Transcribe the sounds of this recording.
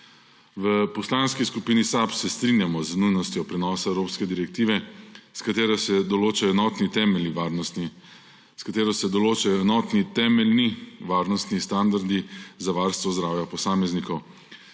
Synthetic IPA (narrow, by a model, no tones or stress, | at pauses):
ʋəpɔslanskiskupiːnisapsɛst̪ɾinjamɔznujnɔst̪jɔpɾɛnɔːsaɛwɾoːpskɛd̪iɾɛk̚t̪iːʋɛskat̪eːɾɔsɛd̪ɔloːt͡ʃajɔɛnɔːt̪nit̪ɛːmɛliʋaːɾnɔst̪ni | skat̪eːɾɔsɛd̪ɔloːt͡ʃajɔɛnɔt̪nit̪ɛːmɛlniʋaːɾnɔst̪nist̪and̪aɾd̪izaʋaːɾst̪ʋɔzd̪ɾaːwjapɔsaːmɛznikɔw